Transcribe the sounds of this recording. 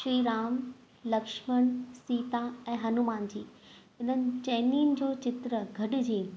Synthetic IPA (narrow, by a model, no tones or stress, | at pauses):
ʃɾiːɾaːm | lɐkʃməɽ̃siːt̪aɛ̃ːɦɐnumaːnd͡ʑiː | ɪn̤ənɪ̆t͡ɕɛːniːnɪ̆d͡ʑoːt͡ɕɪt̪ɾəɡʱɐɖɪ̆d͡ʑiː